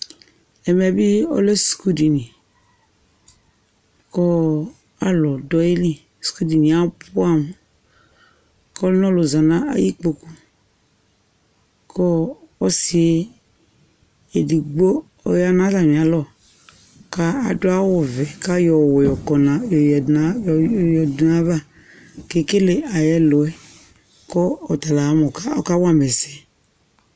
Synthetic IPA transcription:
ɛ˨mɛ˨bi˦ɔ̰˦le˦sku˦di˨nĩ˨ | kɔ˦ | a˦lɔ˨dɔ˦e˦li˦ | sku˦di˨nĩ˨a˦pʊ˦a˦˨m˨ | kɔ˦lnɔ̃˦lo˨za˨nã˦a̰˦ji˦k͡po˨ku˦ | kɔ˦ɔ˦si˨e˦ | e˨di˨ɡ͡bo˦ | ɔ̰˨ja˦nã˦za˨mĩ˨a˨˦lɔ˦˨ | ka˦a˨do˦a˦wɔ˨vɛ˨ka˦jɔ˨wɔ˨jɔ˨kɔ˨na˨˦jjɔ˨dna˦va˦˨ | ke˨˦ke˦le˨a˨jɛ˦lo˨ɛ˦ | kɔ˦ɔ˨t̪a˨la˨˦mɔ˨ka˦ɔ˦ka˦wa˦mɛ˨sɛ˨

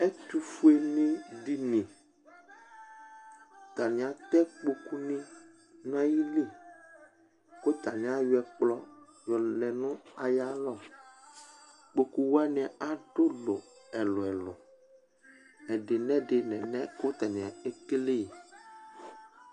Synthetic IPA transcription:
ɛ˦t̪u˦fu˦e˦nĩ˦di˦nĩ˨ | t̪a˨nɪ̃˨a˨t̪ɛ˦k͡po˨ku˦nĩ˦ | nã˦ji˦li˦˨ | ko˦t̪a˨nɪ̃˨˦a˨jʊ˦ɛ˨k͡plɔ˦ | jɔ˨lɛ˨nʊ̃˦a˨ja˦lɔ˦˨ | k͡po˨ku˨wa˦nɪ̃˨ʔa˨ɖo˦lʊ̰˨ɛ˨lʊ˨ɛ˨lʊ̰˨ | ɛ˨ɖe˨nɛ̃˦dɪ˨nɛ̃˨nɛ˦ko˦t̪a˨nĩ˨a˨e˦ke˦le˦i˨

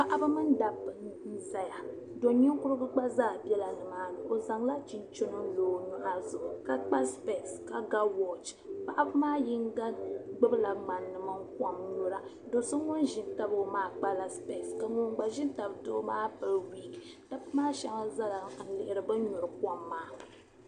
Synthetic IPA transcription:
pa˨ʔa˦bɨ˦mɨ˦n˦da˨bɨ˨˦n̩˦za˦ja˨ | do˨ɲi˦ŋ˦kʊ˦ɾɨ˦bɨ˦ɡ͡ba˦zaː˦˨bɛ˦la˨nɨ˨maː˦nɨ˨ʔo˨za˨ŋla˦t͡ʃi˨nt͡ʃo˦no˦n̩˦loː˨ɲu˦ʔa˦zʊ˨ʔʊ˨ka˦k͡pa˦spe˨ska˨ɡa˦wɔ˨t͡ʃ | pa˨ʔa˦bɨ˦maː˦ji˦ŋ˦ɡa˦ɡ͡bɨ˦bla˨ŋ͡ma˨nːɨ˨ma˦ŋ˦kwa˨mɲu˦ɾa˦ | do˨sɨ˦ŋʊ˦n˦ʒɪ˨n˦ta˦bo˨˦maː˦k͡pa˦la˨spe˨ska˨ŋo˨ŋ˦ɡ͡ba˨ʒɪ˦n˦ta˨bdo˦maː˦pɨ˨lwi˨ɡi˨ | ta˦bmaː˦ʃa˨ŋa˦za˦la˨a˨n̩˦lɪ˨ʔɪ˦ɾɨ˨bɨ˦ɲu˨ɾɨ˨ka˦mːaː˨˦

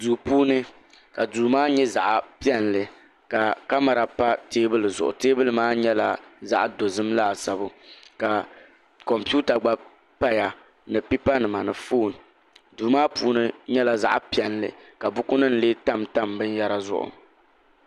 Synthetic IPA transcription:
duː˨puː˦nɨ˦ | ka˨duː˨maː˦ɲɛ˦za˨ʔpi˦ɛ˦nlɨ˨ | ka˨ka˦ma˨ɾa˨pa˦teː˦bɨ˦lɨ˨zʊ˨ʔʊ̰˨teː˦bɨ˦lɨ˨maː˦ɲɛ˦la˨za̰˦ʔdo˨zɨ˦mlaː˦˨sa˨bʊ˦ka˨ | kɔ˨mpi˦u˦ta˨ɡ͡ba˦b | pa˦ja˨ | nɨ˨pi˦pa˦nɨ˨ma˨nɨ˨foː˦˨n˨ | duː˨maː˦puː˦nɨ˦ɲɛ˦la˨za̰˦ʔpi˨˦ɛ˨nlɨ̰˨ka˨bʊ˦kʊ˦nɨ˦n̩˦˨leː˦ta˦˨mta˦mbɨ˦n˦ja˦ɾa˦zʊ̰˦˨ʔʊ̰˨

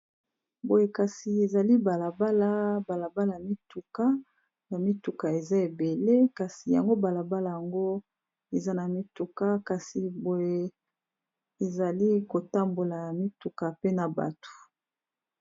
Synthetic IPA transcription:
bo˨je˨ka˨si˨e˨za˨li˦ba˨la˨ba˦la˦ba˨la˨ba˦la˨a˨mi˦tu˨ka˦ | na˨mi˦tu˨ka˨e˨za˦e˨be˨le˦ka˨si˨ja̰˨ŋɡo˦ba˨la˨ba˦la˨ja˨ŋɡo˦ | e˨za˦na˨mi˦tu˨ka˦ka˨si˨bo˨je˨ | e˨za˨li˦ko˨ta˦mbo˨la˨ja˨mi˦tu˨ka˨pe˦na˨ba̰˨tu̥˨

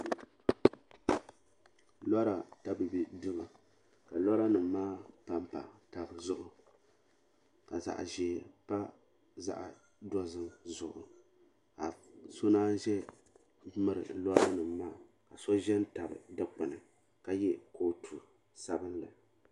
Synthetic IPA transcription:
la˦ɾa˨ta˦bɨ˨bi˦dɨ˦ba˨ | ka˨lɔ˦ɾa˦nɨ˨mː˦aː˦pa˨mpa̰˨ta˨bɨ˨zʊ˦ʔʊ˨ | ka˨za̰˨ʔʒɛː˨pa˦ | za̰˨ʔ | dɔ˦zɨ˦mzʊ˨ʔʊ̰˨ | ka˨so˦naː˦ʒɛ˦ | mɨ˦ɾɨ̰˨lɔ˦ɾa˦nɨ˨mːaː˦˨ | ka˨sɔ˦ʒɛ˦n˦ta˨bɨ̰˨dɨ˦k͡pɨ˨nɨ˨ | ka˦jɛ˦ko˦tʰu˨ | sa˦bɨ˦nlɨ̰˨

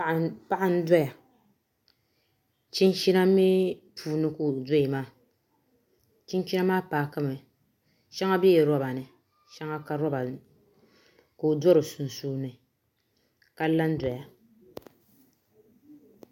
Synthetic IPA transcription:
pa˦ʔa˨n̩˦dɔ˦ja˨ | t͡ʃi˦n˦t͡ʃi˦na˦mi˦puː˨nɨ˦ko˨dɔ˦i˨maː˦ | t͡ʃi˦n˦t͡ʃi˦na˦maː˦paː˨ka˦mɨ˨ | ʃɛ˦ŋa˦bɛ˦ɛ˨ɾɔ˦ba˨nɨ˨ | ʃɛ˦ŋa˦ka˨ɾɔ˦ba˨ | ko˨dɔ˦ɾɨ˨sʊ˨n˨suː˦nɨ˨ | ka˦la˦n˦dɔ˨ja˨

